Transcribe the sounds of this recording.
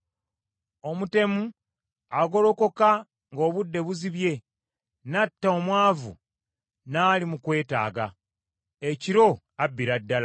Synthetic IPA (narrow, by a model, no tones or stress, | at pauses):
o̞mute̞mu | aɡo̞lo̞ko̞ka | ŋɡo̞ːβudːe̞βuziβje̞ | natːaomwaːvṵ | naːlimukwe̞ːta̰ːɡa̰ | eciɾo̞ | abːiɾadːala